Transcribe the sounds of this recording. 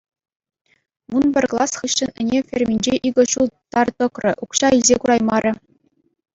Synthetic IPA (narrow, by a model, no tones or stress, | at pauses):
munbʲɘ̆rʲklˠɑsχɯɕːɤ̆nɘ̆nʲefʲerʲmʲinʲd͡ʑeʔiɡɤ̆ɕulˠt̪ɑrt̪ɤ̆krɤ̆ʔukɕɑilʲzʲekuɾɑjmɑɾʲɘ̆